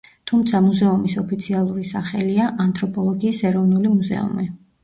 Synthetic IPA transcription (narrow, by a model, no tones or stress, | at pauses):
t̪ʰumt̪sʰamuzɛumisɔpʰit̪sʰialˠuɾisaχɛliaʔant̪ʰɾɔpʰʼɔlˠɔɡiːsɛɾɔvnulimuzɛ̰ṵmi